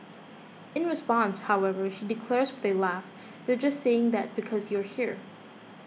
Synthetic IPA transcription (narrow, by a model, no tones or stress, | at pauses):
ɨ̃nɹɨspɑ̃nshaʊɛvə˞ʃidɨkʰl̥ɛɹzwɨðelæf | ðə˞d͡ʒʌstseɪɪ̃ŋðɨt̚b̥ɨkʰʌzju˞hiɹ